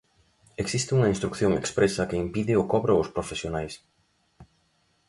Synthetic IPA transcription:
eksist̪ɪuŋɐinst̪ɾukθjoŋḛkspɾesɐkeimpiðɪʊkɔβɾʊʊspɾofesjonajs

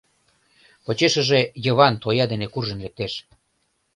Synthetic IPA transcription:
pot͡ɕeʃə̆ʒejə̆βɑnt̪ojɑd̪enekurʒənlek̚t̪eʃ

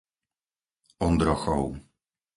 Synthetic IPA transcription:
ɔnd̪ɾɔxɔw

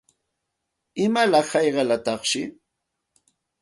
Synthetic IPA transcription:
ɪmalɑχhɑjɢɑlat̪ɑχʃɪ

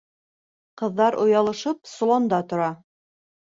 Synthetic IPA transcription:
qɤ̆ðːɑɾʔŏjɑlˠɤ̆ʃɤpsolˠond̪ɑt̪ŏɾɑ

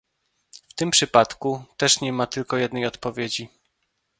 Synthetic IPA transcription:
ft̪ɘmpʂɘpat̪kut̪ɛʂɲɛmat̪ɘlkɔjɛd̪nɛjɔt̪pɔvʲjed͡ʑi

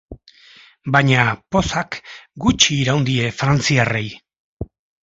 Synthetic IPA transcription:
bajɲapo̞sakɡut͡ʃiːɾawnd̪ie̞fɾant͡siare̞j

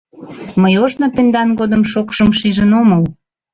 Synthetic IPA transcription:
məjoʒnopend̪ɑnɡod̪əmʃokʃəmʃiʒənoməl

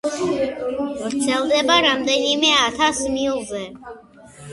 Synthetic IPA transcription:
vɾt̪sʰɛlˠd̪ɛbaɾamd̪ɛnimɛat̪ʰasmiulˠzɛ

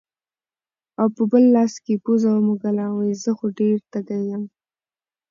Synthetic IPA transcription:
awpəbəlːɑskepuzawmuɡalawəjzəxoɖeɾt̪aɡajam

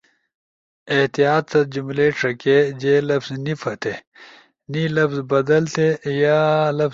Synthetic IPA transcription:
eht̪ijaːt̪̚sɐt̪̚d͡ʑumleːʈ͡ʂʰɐked͡ʑelɐfznifʰɐt̪ʰe | nilɐfzbɐd̪ɐlt̪ʰejalɐf

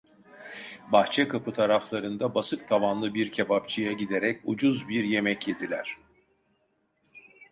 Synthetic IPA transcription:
baxt͡ʃʰɛkʰapɯt̪ʰaɾaflˠaɾɯnd̪abasɯk̚t̪ʰavanlˠɯbiɾcʰebap̚t͡ʃʰijaɟid̪eɾɛcud͡ʒuzbiɾje̞mɛcje̞d̪ilʲæɾ̝̥

